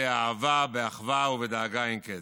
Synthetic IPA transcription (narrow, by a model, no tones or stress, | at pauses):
ɪavabɪaχvaʊvɪdaɡaɪŋkɛ